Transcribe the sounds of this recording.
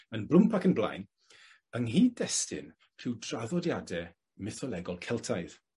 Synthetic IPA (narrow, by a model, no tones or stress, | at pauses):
ənbrʊmpʰakənblˠa̰jn | əŋɦiːdɛstɪ̰n | pʰr̥ɪwdraðɔdjadɛ | mɪθɔlˠɛɡɔlˠkʰɛlˠtʰajð